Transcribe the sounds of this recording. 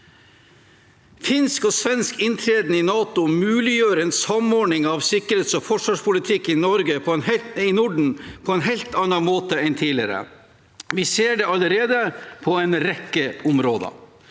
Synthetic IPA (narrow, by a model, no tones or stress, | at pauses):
fɪnskɔːsʋɛnskɪnt̪ʰɾeːd̪nɪnɑːt̪ʊmʉːlɪjøːɾəɛːnsɑmɔɳɪŋɑʋsɪkːəɾeːt̪sɔfɔʂʋɑːʂpʰʊlɪt̪ʰɪkːɪnɔɾɡəpʰɔɛnɪnʊɖɳ̩pʰɔɛnɦɛɪlt̪ɑnːɑmoːt̪əɛnt̪ʰiːlɪɾə̰ | ʋɪseːɖɛɑləɾeːd̪əpʰɔɛnɾɛkːəʊmɾoːd̪ɑ̰